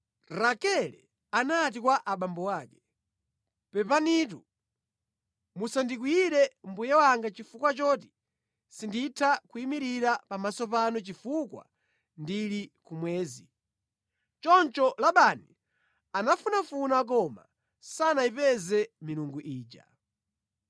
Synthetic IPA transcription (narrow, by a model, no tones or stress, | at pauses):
ɾakɛlɛ | anat̬ikwaʔaɓambɔwaːkɛ̥ | pɛpanit̬u | musandik̬wiiɾɛm̩bujɛwaŋɡat͡ʃifukwat͡ʃɔti̥ | sinditʰakuimiɾiɾapamasɔpanɔt͡ʃifukwa̰ | ndilikumwɛːzi | t͡ʃɔnt͡ʃɔlaɓani | anafunafunak̬ɔma̰ | sanaipɛzɛmiluŋɡuʔiːt͡ʃa̰